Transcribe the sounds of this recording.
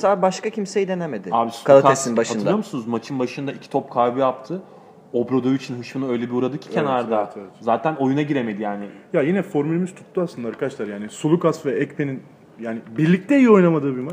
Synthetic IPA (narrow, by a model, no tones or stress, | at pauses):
sabaʃkacʰimse̞jid̪e̞neme̞d̪ɪaːbiskʰalˠak̪esinbaʃatɯnɯjomusunuzmat͡ʃʰɯnbaʃɯnd̪aicʰi̥t̪ʰop̚kʰaɾbɯjap̚t̪ʰɯ | obɾod̪ojit͡ʃʰinɦɯʃfɯnɯøjlʲebiuɾad̪ɯcʰi̥cʰenaɾd̪aevɛt̪zaːt̪ʰæno̞junaɟiɾemed̪ijaːnɪjajinɛfo̞ɾmylʲemiz̥t̪ʰu̥t̪ːuaslɯnd̪ˠaɾakʰad̪aʃlˠaɾjaːnisulˠukasvɛɛcpʰe̞nin | jaːnibiɾlʲic̚t̪ɛjijio̞jnamad̪ɯːbimat͡ʃ